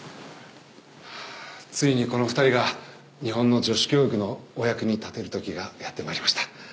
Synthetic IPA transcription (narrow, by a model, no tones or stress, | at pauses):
t͡sɨiɲ̟iko̞no̞ɸɯ̟̥t̪aɾʲiɡa | ɲ̟iɦõ̞nːo̞d͡ʑo̞ɕi̥kʲo̞ːɯkɯ̟no̞ːjakɯ̟ɲ̟it̪at̪e̞ɾɯ̟t̪o̞kʲiɡajat̪ːe̞maɾʲimaɕi̥t̪ḁ